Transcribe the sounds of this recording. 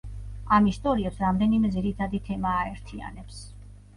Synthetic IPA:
amist̪ʼɔɾiɛpsɾamd̪ɛnimɛd̪ziɾit̪ʰad̪it̪ʰɛmaːɛɾt̪ʰia̰nɛps

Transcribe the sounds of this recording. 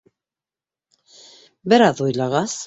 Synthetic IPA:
bɘ̆ɾɑðujlˠɑʁɑs

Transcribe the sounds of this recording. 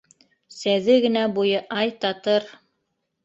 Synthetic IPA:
sæðɘɡɘ̆næbujɤʔɑjt̪ɑt̪ɤɾ

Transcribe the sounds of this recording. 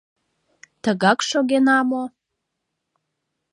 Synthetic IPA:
t̪əɣɑkʃoɣenɑmo

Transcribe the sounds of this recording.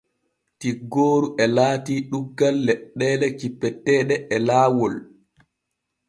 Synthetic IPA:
tiɡːoːɾuʔɛlaːtiːɗuɡːalːɛɗːɛlɛkipːɛtːɛːɗɛɛlaːwɔl

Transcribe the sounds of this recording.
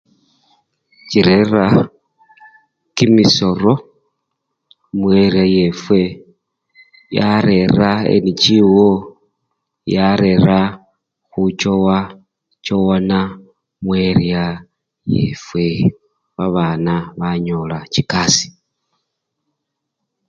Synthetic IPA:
ciɾeɾa | kimiso̞ɾo̞ | mweɾiaje̞fwe̞ | jaɾe̞ɾaḛnit͡ʃiwo | jaɾe̞ɾa | xut͡ʃowa | t͡ʃowana | mwe̞ɾja | jḛfwe̞ | βaβaːnaβaɲo̞lat͡ʃikasi̥

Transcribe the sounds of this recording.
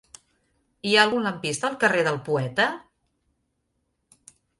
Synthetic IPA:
iaəlˠɣuləmpist̪əːlˠkəreðəlˠpuɛt̪ə

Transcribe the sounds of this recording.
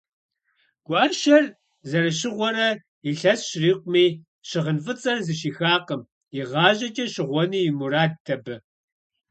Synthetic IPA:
ɡ̥ʷʔɐʃɐr | zɐɾɐɕɪʁʷɔɾɐ | iɬɐsɕriːqʷʊmiː | ɕɪʁənfɨt͡sʼɐrzɨʃiːxaːqəm | iʁɑːʑʼɐt͡ʃʼɐɕɪʁʷɔniːjɪmuɾaːd̚tʰɐbɨ

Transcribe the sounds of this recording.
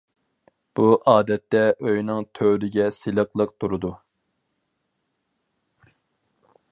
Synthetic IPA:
b̥uʔɑːd̪ɛt̪ːɛʔøjnɨŋt̪ʰøwlɪɡʲɛselˠəqlˠəq̚t̪ʰuɾud̪u

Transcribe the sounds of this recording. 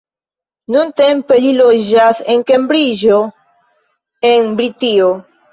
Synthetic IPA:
nũnt̪empeliloʒaθeŋkembɾiʒo | eŋbɾit̪io

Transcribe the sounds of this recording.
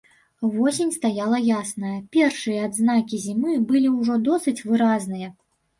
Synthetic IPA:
vɔsʲenʲst̪ajalˠɐjasnɐjɐpʲɛrʂɨjɐːd̪znakʲizʲimɨbɨlʲiwʐɔd̪ɔsɨt͡sʲvɨɾaznɨjɐ

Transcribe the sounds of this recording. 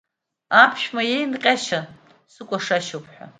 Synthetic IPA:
apʰʃᶣmajejnqʲʼaʃa | sɨkʷʼaʂaʃopʰʼħʷᶣa̰

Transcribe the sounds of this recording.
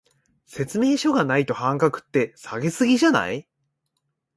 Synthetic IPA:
se̞t͡sɨme̞ːɕo̞ɡanait̪o̞hãŋkakɯ̟̥t̪ːe̞saɡe̞sɨɡʲiʑana̰i

